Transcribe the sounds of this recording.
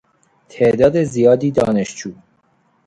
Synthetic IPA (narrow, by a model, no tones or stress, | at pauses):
t̪ʰeʔd̪ɒːd̪ezijɒːd̪iːd̪ɒːneʃd͡ʒuː